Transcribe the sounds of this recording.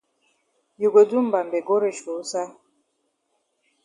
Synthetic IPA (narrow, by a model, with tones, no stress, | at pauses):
ju˨ɡo˨du˦m̩˨ba˨m˨be˨ɡo˦ɾe˨ʃo˨˦sa˦